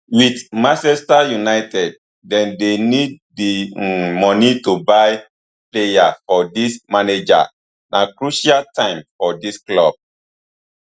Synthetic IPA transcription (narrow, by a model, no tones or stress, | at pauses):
witmasɛstajunaɪtɛd̚ː | ɛ̃ndenid̚dimɔnitubaɪ | plejafɔdismaned͡ʒa̰ | nʔakɹuʃaltãɪ̃mfɔdisklɔb̥̚